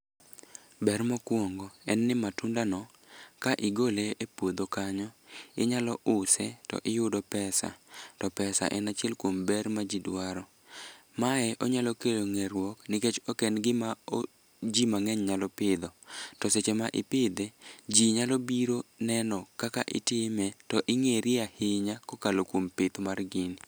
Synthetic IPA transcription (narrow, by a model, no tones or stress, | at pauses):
bɛrmɔkwoŋɡoɛnːɪmatundanɔ | kaʔɪɡoleepwod̪okaɲɔɪɲalɔʔʊsɛtɔ̰ʔɪjʊdɔpɛsa̰tɔpɛsa̰ʔɛ̰nat͡ʃjɛlkwombɛɾmad͡ʒidwaɾɔ | maɛʔɔɲalɔkeloŋɛɾwɔknɪket͡ʃɔkɛnɡɪmao | d͡ʒimaŋɛɲɲalɔpɪd̪ɔtɔset͡ʃemaʔɪ̰pɪd̪ed͡ʒiɲalɔbiɾonɛnɔkakaʔɪ̰tɪmɛtɔʔɪŋeɾɪahɪɲakɔkalokwompɪt̪marɡɪn